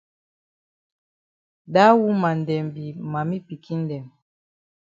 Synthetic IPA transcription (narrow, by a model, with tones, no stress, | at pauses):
ɗa˦wu˦ma˨n˨dɛ˨mbi˨ma˨mi˦pi˨ki˦n˦dɛ˨m